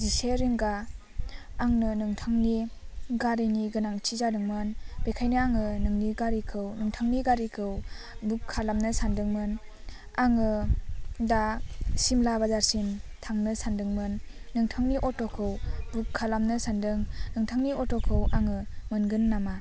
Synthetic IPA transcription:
ziseɾiŋɡaː | ŋnɯnɯŋtʰaŋniɡaɾijniɡɯnaŋt͡ʃʰizadɯŋmɯnbekʰajnɯaŋɯnɯŋniɡaɾikʰɯwnɯŋtʰaŋniɡaɾikʰɯwbukʰːalamnɯsandɯŋmɯn | aŋɯ | dasimlabazaɾsintʰaŋnɯsandɯŋmɯnːɯŋtʰaŋniʔɔtokʰɯwbukʰːalamnɯsandɯŋnɯŋtʰaŋniɔtokʰɯwaŋɯmɯnɡɯnːama

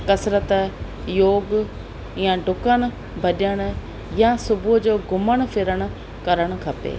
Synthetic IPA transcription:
kɐsɾət̪ | joːɡ | jãɖʱʊkəɽ̃ | bʱɐɗəɽ̃ | jãsʊbud͡ʑoːɡʊməɽ̃fɪɾəɽ̃ʊ̆ | kɐɾəɽ̃ʊkʰɐpḛː

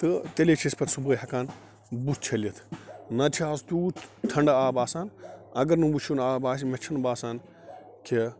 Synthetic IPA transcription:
t̪ɨt̪elet͡ʃʰispɐt̪subəːjɦɐkaːn | bust͡ʃʰɐlʲɐt̪ʰnɐt͡ʃʰaːst̪uːt̪ʰɐɳɖaːbaːsaːnɐɡɐɾnũbut͡ʃʰunaːbaːs̬met͡ʃʰɐnbaːsaːn | kʰe

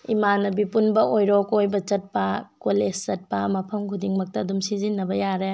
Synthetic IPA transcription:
imanɐbipunbɐʔojɾɔkojbɐt͡ʃɐt̚pɐkolest͡ʃɐt̚pɐmɐpʰɐmkʰudiŋmɐk̚tɐːdumsizinːɐbɐjaɾe

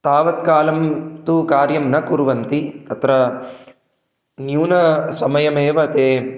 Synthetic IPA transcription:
t̪aːʋɐt̪kaːlɐmt̪ukaːɾjɐmnɐkuɾʋɐnt̪it̪ɐt̪ɾɐ | njuːnɐsɐmɐjɐmeːʋɐt̪eː

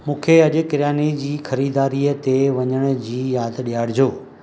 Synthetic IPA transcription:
mũːkʰeɐʄʊ̆kɪɾijaːnid͡ʑiːxɐɾiːd̪aːɾiːət̪eʋɐɲəɽ̃ʊd͡ʑiːjaːd̪ɗijaːɽd͡ʑoː

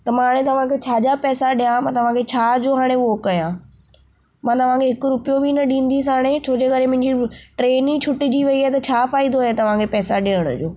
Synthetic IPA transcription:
t̪ɐmːaːɽ̃ẽt̪ɐʋ̤ãkʰet͡ɕʰaːd͡ʑapɛːsaɗijãmãːt̪ɐʋ̤ãkʰet͡ɕʰaːd͡ʑoːɦaːɽ̃eookɐjã | mãːt̪ɐʋ̤ãkʰeɦɪkʊɾʊpijobinɐɗĩːn̆d̪is̬aːɽ̃et͡ɕʰoːd͡ʑeːkɐɾemʊ̃ɦɪ̃ɲd͡ʑiʈɾeːnit͡ɕʰʊʈɪd͡ʑiʋɐiaɦt̪ɐt͡ɕʰaːfaːid̪oɦet̪ɐʋ̤ãkʰepɛːsaɗeːəɽ̃ʊ̰d͡ʑoː

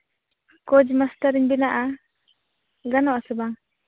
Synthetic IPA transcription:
kɔd͡ʒmast̪aɾiɲbinaʔa | ɡanɔʔasəbaŋ

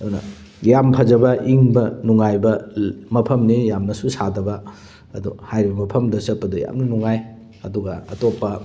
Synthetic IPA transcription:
ɐdunɐ̰ | jampʰɐzɐbɐʔiŋbɐnuŋajbɐmɐpʰɐmnijamnɐsusadɐbɐː | duhajɾibɐmɐpʰɐmdɐsɐt̚pːɐduja̰mnɐnuŋaj | ɐduɡɐɐ̰topːɐ

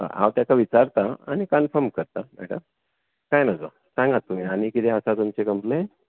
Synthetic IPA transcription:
a̰ɦa̰wt̪jakaʋit͡saɾt̪aa̰ñikənfəɾmkəɾt̪abɛ̰ʈə | kajnad͡zo̰ | sãŋɡat̪ːum̤iañikit̪eəsat̪umt͡sekəmple

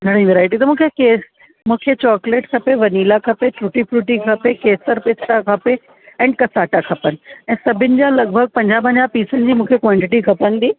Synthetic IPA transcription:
ɡʱɐɽ̤̃ĩʋeːɾaːɪʈit̪ɐmũːkʰekeːs | mũːkʰet͡ɕɔːkleːʈkʰɐpeʋɐniːlakʰɐpeʈɾuʈipʰɾuːʈikʰɐpekeːsəɾpɪsʈakʰɐpe | ɛ̃ːnkɐsaːʈakʰɐpənɪ̆ɛ̃ːsɐbʱɪnɪ̆d͡ʑaːlɐɡ̚bʱəɡ̚pɐ̃ɲd͡ʑaːp̬ɐ̃ɲd͡ʑaːpiːsənɪ̆d͡ʑiːmũːkʰekwãːɳʈɪʈikʰɐpəñd̪iː

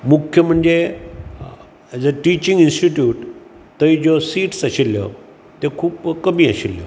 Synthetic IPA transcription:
mukʰjəm̤əɳd͡ze | d͡zəʈit͡ɕĩŋɡinsʈiʈjuːʈ | t̪əid͡zosiːʈsaɕilːjə̰ | t̪ekʰuːpkəmiːaɕiljə̰

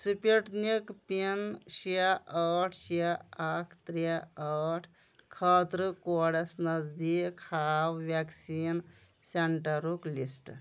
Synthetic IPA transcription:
supʲiʈnikpinʃiaʔəːʈʰʃiaakʰt̪ɾiaəːʈʰ | kʰɐːt̪ɾɨkoːɽɐsnɐzd̪iːkhaːwʋaksiːn | seɳʈɐɾuklisʈ

